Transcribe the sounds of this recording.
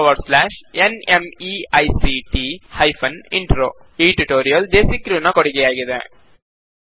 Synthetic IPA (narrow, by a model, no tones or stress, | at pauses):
ʋɐɾɖslaːʃenemiɐjsiʈihɐjpʰɐniɳʈɾoː | iːʈiʈoːɾijɐld̪eːsikɾunɐkoɽiɡejaːɡid̪ḛ